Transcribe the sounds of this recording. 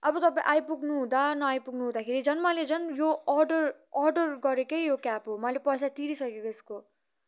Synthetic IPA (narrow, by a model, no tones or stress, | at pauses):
ʌbʌt̪ʌpãḭ̃ʔajpuɡnuɦũd̪anʌajpuɡnuɦud̪akʰeɾid͡zʌnmʌled͡zʌnjoʌrɖʌr | ʌrɖʌrɡʌɾekʌjjokapɦomʌlepʌjsat̪iɾisʌkekoesko